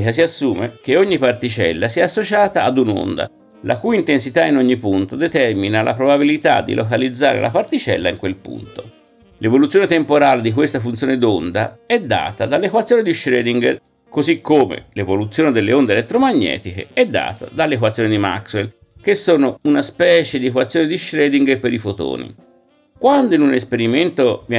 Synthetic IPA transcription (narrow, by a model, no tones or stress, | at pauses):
kas̬iasːuːmek̟eoɲːipart̪it͡ʃɛ̰lːasiɛasːot͡ʃaːt̪aːd̪uno̰nd̪a̰ | lʔa̰kujint̪ensit̪ainoɲːipunt̪od̪et̪ɛrminalʔa̰pɾobabilit̪a̰d̪ːḭlʔokalid̪zːa̰ːɾḛlʔa̰part̪it͡ʃɛ̰lːaiŋkwelpṵnt̪o | levolut̪sːjoːnet̪empoɾaːled̪ik̬west̪afunt̪sjoːned̪ond̪aɛd̪ːa̰ːt̪ad̪alːekwat̪sːjoːnid̪iʃɾɛːd̪iŋɡ | kozikːoːmḛlevolut̪sːjoːned̪elːeond̪elet̪ːɾomaɲːɛ̰ːt̪ikḛɛd̪ːa̰ːt̪a̰d̪alːekwat̪sjonid̪ima̰kswel | k̟esːoːnounaspɛːt͡ʃed̪iekwat̪sːjoːnid̪iʃɾɛːd̪iŋɡpeɾifot̪o̰ːnḭ | kwand̪oinunespeɾiment̪ov